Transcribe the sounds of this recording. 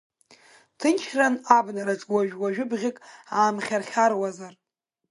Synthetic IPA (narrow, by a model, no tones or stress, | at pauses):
tʰɨnt͡ʃʰranabnaɾat͡sʼwaʒᶣwaʒᶣʊbʁʲɪkʼaːmχʲarχʲarwazar